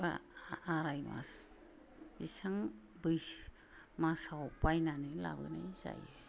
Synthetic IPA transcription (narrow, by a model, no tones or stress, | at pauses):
ba̰ːɾajma̰s | isaŋ | bɯj | masawpajnanɯla̰bɯ̰neza̰je